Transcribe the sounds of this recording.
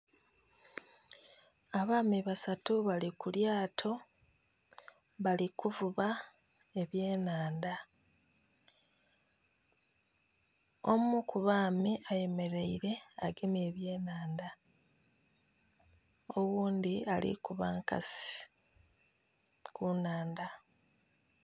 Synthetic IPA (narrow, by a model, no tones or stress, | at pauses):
aβaːmiβasatuβalikuljaːtʰo̞ | βalikuvuβa | e̞βje̞ːnaːnda | omukuβaːmiʔaje̞me̞ɾe̞iɾe̞aɡeme̞ːβje̞ːnaːnda | owuːndialḭkuβa̰ŋka̰si̥ | kunaːnda